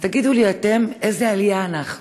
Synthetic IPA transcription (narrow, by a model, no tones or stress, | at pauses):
t̪aɡid̪uliat̪e̞mezealijaːnaχ